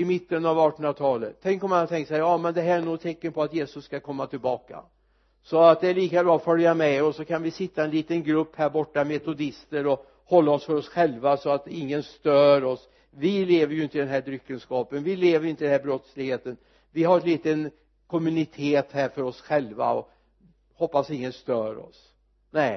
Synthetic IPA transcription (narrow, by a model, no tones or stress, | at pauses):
ɪmɪt̪ːənavɑːʈɔnɾat̪ʰɑːlət̪ʰːɛŋkɔmːanhat̪ʰɛŋkt̪sɛːjɑːmɛnd̪ɛɦæːɾæɳuːt̪ʰɛkːənpʰɔat̪jeːsɵsːkakʰɔmːat̪ʰɪlbɑːka̰ | sɔat̪̚d̪ɛæɭiːkabɾɑːɔfœljamɛɔsɔkʰanvɪsɪt̪ːaɛnliːt̪ənɡɾɵpːhæːɾbɔʈːamɛt̪ʊd̪ɪst̪əɾɔ | hɔlːaɔsfœɾɔsɧɛlvasɔat̪ɪŋːənst̪œːɾɔs | vɪleːvəɾjɵɪnt̪əɪd̪ɛnɦæːɖ̪ɾʏkːənskɑːpənvɪleːvəjɪnt̪əɪd̪nhæɾbɾɔt̪slɪɡheːt̪ən | vɪɦaɾɛt̪liːt̪ən | kʰɔmʉnɪt̪ʰeːt̪hæːɾfœɾɔsɧɛlva̰ɔ̰ | hɔpːasɪŋːənst̪œːɾɔ̰s | nɛɪ